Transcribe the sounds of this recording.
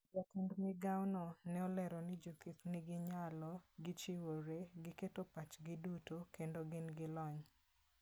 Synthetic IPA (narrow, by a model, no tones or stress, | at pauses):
d͡ʒɔkindnɪɡawnɔnɛɔlɛɾɔnɪd͡ʒokit̪nɪɡɪɲalɔɡɪt͡ʃiwoɾeɡɪketopat͡ʃɡɪdutokendoɡɪnɡɪlɔɲ